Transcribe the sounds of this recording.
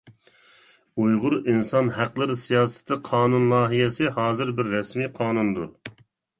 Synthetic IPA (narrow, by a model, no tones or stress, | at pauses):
ujʁʊɾinsɑnɦæqlˠɨɾɨsijɑːsɨ̥t̪ʰɨqʰɑːnunlˠɑːɦijɛsɪhɑːzɨɾbɪɾːɛsmiːqʰɑːnund̪u